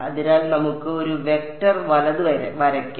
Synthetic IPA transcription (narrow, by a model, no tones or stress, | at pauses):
ɐðiɾaːlnɐmukːɨo̞ɾuʋe̞k̚ʈɐrʋɐlɐðɨʋɐɾʋɐɾɐkː